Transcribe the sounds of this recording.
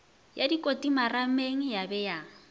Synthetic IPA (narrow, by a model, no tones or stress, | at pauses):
jadikʼotʼimarameŋ̩jabɛja